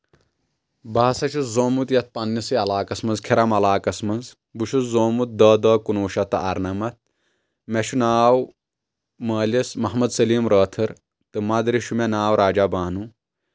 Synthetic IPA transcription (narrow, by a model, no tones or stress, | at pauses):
baːsɐt͡ʃʰɐzoːmut̪jɐt̪̚pɐnːisiɐlaːkɐsmɐnzkʰiɾɐmɐlaːkɐsmɐnz | buʃuzoːmut̪̚d̪ɐːd̪ɐːkunuːʃɐt̪ɨɐɾnɐmɐt̪̚ʰ | meʃunaːw | mɐːlismɐɦmɐd̪sɐliːmɾɐːt̪ʰɐɾ | t̪ɨmɐd̪ɾiʃumenaːwɾaːd͡ʒabaːnu